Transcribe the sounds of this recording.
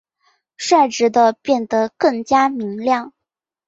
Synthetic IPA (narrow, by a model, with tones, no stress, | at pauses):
ʂwa˥˩ɪʈ͡ʂɻ̩˧˥d̪ə˧pjɛ˥˩nd̪ə˧˩kɤ˥˩ŋt͡ɕja˥mi˧˥ŋljɑ˥˩ŋ